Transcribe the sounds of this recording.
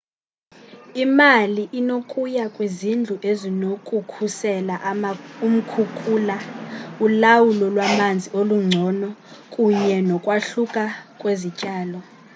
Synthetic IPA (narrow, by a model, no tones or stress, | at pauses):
imaliʔinokʼujakʼwizind͡ɮʱuʔezinokʼukʰusɛlaʔum̩kʰukʰʼuːlaulawulɔlwamand͡zʱioluŋ͡ǀʱɔnɔkʼuɲɛnɔkʼwaɬukʼakʼwezicʼaːlɔ